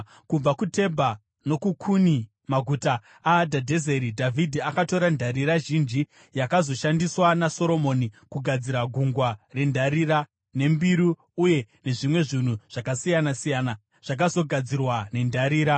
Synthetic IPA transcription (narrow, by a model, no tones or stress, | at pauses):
kub͡vakute̞bʱa | no̞kukʰuni | maɡʱutaː | dʱadʱe̞zeɾidʱavʱidʱiakato̞ɾandʱaɾiɾaʒind͡ʒi | jakazo̞ʃandiswanaso̞ɾo̞mo̞nikuɡʱad͡ziɾaɡʱuŋɡware̞ndʱaɾiɾa | ne̞mbiɾuː | je̞ne̞ʐimwe̞ʐin̤uʐ̥akasijanasijaːna | ʐ̥ak̬azo̞ɡʱad͡zirwane̞ndʱaɾiːɾa